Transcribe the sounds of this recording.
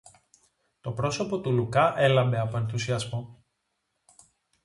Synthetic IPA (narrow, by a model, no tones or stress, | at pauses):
t̪o̞pɾo̞so̞po̞t̪ulukɐʔe̞lɐmbe̞ɐpo̞e̞nθusiɐzmo̞